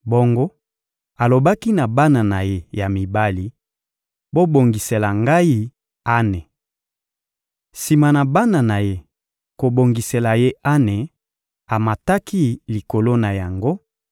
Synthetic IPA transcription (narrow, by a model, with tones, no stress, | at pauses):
bo˦ŋɡo˦ | a˨lo˨ba˦ki˦na˨ba˦na˨na˨je˦ja˨mi˨ba˦li˨ | bo˦bo˨ŋɡi˨se˨la˨ŋɡa˦i˦ | a˦ne˨ | si˨ma˨na˨ba˦na˨na˨je˦ | ko˨bo˨ŋɡi˨se˨la˨je˦a˦ne˨ | a˨ma˨ta˦ki˦li˨ko˨lo˦na˨ja˨ŋɡo˦